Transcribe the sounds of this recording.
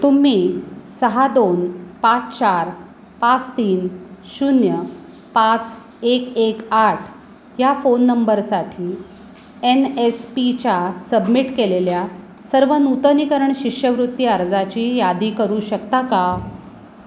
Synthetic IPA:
t̪um̤iːsəɦad̪onpãt͡st͡ɕaɾ | pat͡st̪iːnɕunjə | pãt͡s | ekekaʈʰ | jafonːəmbəɾsaʈʰiː | enespit͡ɕasəbmiʈkelelja | səɾʋənut̪ənikəɾəɳɕikʂjəʋɾut̪ːjiəɾd͡zat͡ɕiːjad̪iːkəɾuːɕəkt̪aka

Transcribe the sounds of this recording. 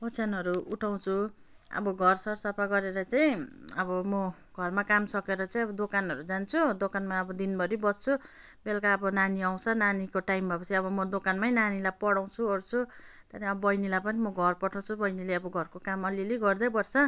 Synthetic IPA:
bʌt͡sʰanɦʌɾuuʈʰaw̃t͡sʰu | ʌ̰bʌɡʱʌrsʌrsʌpʰaɡʌɾeɾʌt͡saĩʌbʌmʌ | ɡʱʌrmakamsʌkeɾʌt͡saĩʌbʌd̪okanɦʌɾud͡zant͡sʰud̪okanmaʌbʌd̪inbʌɾibʌst͡sʰu | belkaʌbʌnaniaw̃t͡sʰʌnanikoʈajmbʱʌpʌt͡sʰiʌbʌmʌd̪okanmajnanilajpʌɽaw̃t͡sʰuʌɾt͡sʰu | t̪ʌɾiʌbʌbʌjnilajpʌnimʌɡʱʌrpʌʈʰaw̃t͡sʰubʌjnileʌbʌɡʱʌrkokamʌliliɡʌrd̪ʌjbʌrt͡sʰʌ

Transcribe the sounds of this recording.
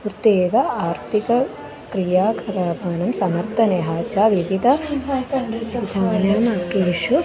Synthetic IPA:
uɾt̪eːʋɐaːɾt̪ʰikɐ | kɾijaːkʰɐɾaːbʱaːnɐmsɐmɐɾt̪ɐneɦaːt͡ʃaːʋiʋit̪ɐ | it̪ʰaːnjaːnaːkeːʃu

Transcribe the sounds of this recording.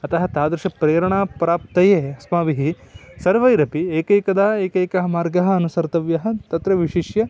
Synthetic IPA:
ɐt̪ɐɦɐt̪aːd̪ɾuʃɐpɾeːɾɐɳaːpɾaːp̚t̪ɐjeːɐsmaːʋiɦisɐɾʋɐjɾɐpieːkɐjkɐd̪ɐɐeːkɐjkɐɦɐmaːɾɡɐɦɐːnusɐɾt̪ɐʋjɐɦɐ̆t̪ɐt̪ɾɐʋiʃiʃjɐ

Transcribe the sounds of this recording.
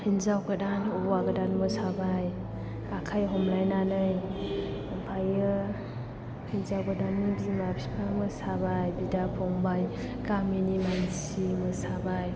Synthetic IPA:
hinzawɡadanɔbwaɡɯdanmɯsabaj | akʰajɦɔmlajnanɯj | ampʰajɯ | hinzawkɯdanmidimapʰi̥pamɯsabajbidapʰɔŋbaj | kaminimansimɯsabaj

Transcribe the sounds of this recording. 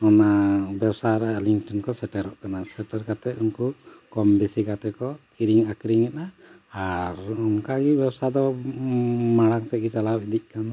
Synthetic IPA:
ɔnabɛbsaɾɛliŋʈɔnkɔsɛʈɛɾɔʔkanasɛʈɛɾkat̪ɛunkukɔmbisikat̪ɛkɔkiɾiŋakɾiŋɛʔnaː | ɾunkaɡibɛbsad̪ɔ | maɽaŋsɛɡiʈalawid̪ic̚kan

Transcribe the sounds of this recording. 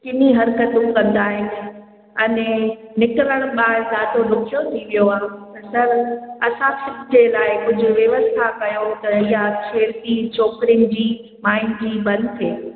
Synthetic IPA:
kɪniɦɐɾkət̪ũkɐ̃nd̪aːɦɪnɪ̆ | ɐne | nɪkɪɾəɽ̃ɓaːɾd̪aːd̪oɖʊkʰijot̪ʰiʋijoaːɦt̪ɐsɐɾɐsãsɪd͡ʑelaːɪkʊd͡ʑʱʊ̆ʋjɐʋəst̪ʰakɐjot̪ɐijat͡ʃʰeːɾt̪it͡ɕɔːkɾiɪnɪ̆d͡ʑiː | maːɪnd͡ʑiːbɐ̃nd̪t̪ʰeː

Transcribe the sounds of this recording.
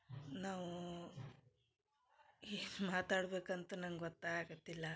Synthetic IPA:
naːʋu | inmaːt̪aːɽbeːkɐnt̪ɐnɐŋɡɡɔt̪ːaaːɡot̪ːilːɐ

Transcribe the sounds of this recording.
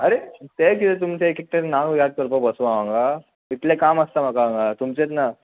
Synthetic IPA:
əɾet̪ekit̪et̪umt͡sekikt̪enakjad̪̚kəɾpəbəsʋaʋãŋɡa | it̪lekaməst̪am̤akaʋãŋɡat̪umt͡set͡sna

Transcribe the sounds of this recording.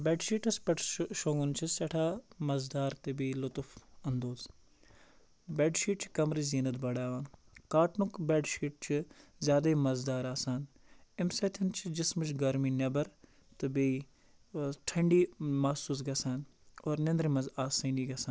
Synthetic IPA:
bɛːɖʃiːʈɐspɐʈʰʃoːŋɡʊnt͡ʃʰisɐʈʰaːmɐzd̪aːɾt̪ɨbiːlʊt̪ʊfɐnd̪oːz | beːɖʃiːʈ̚t͡ʃʰi̥kɐmɾiːziːnɐt̪bɐɽaːʋaːn | kaːʈnʊkbɛːɖʃiːʈ̚t͡ʃʰizʲjaːd̪ɐimɐzd̪aːɾaːsaːn | ɪmsɐt̪ʰint͡ʃʰid͡ʒɪsmɨt͡ʃʰɡɐɾmiːnɐbɐɾ | t̪ɨbi | ʈʰɐɳɖiːmaːsuːsɡɐsaːnoːɾnẽnd̪ɾimɐzaːsɐːniːɡɐsaːn

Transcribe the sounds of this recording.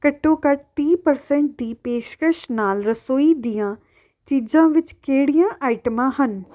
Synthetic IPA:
kəʈːõːkəʈ̚t̪iːpəɾsɛ̃ːɳʈ̚d̪iːpeːʃkəʃnaːlɾəsoːiːd̪ijãː | t͡ʃiːd͡ʒãːʋɪt͡ʃkeːɽɪjãːʔaːɪʈəmãːɦən

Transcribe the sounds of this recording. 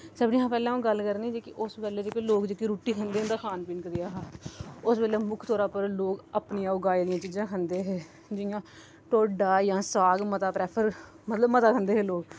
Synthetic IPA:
səbnĩːɦãːpɛːlɛ̃ːõːɡəlkəɾneːd͡ʒeːkɪʔʊsbɛːleːd͡ʒeːkeloːkd͡ʒeːkiːɾuːʈːiːkʰənd̪eːɦʊnd̪aːkʰaːnpiːnkəɾɪjaːɦaːʊsbɛːleːmʊkʰt̪ɔːɾãːpəɾloːɡəpnijãːʊɡaːeːd̪ɪjãːt͡ʃiːd͡ʒãːkʰənd̪eːɦɛː | d͡ʒɪjãː | ʈoːɖaːjãːsaːɡmət̪aːpɾɛːpʰəɾ | mət̪ləbmət̪aːkʰənd̪eːɦɛːloːɡ

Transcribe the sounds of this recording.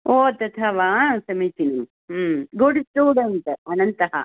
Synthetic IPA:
oːt̪ɐt̪ʰɐʋaːsɐmɐjt̪inɐm | ɡoɖsʈuːɽɐɳʈɐnɐnt̪ɐɦɐ̰

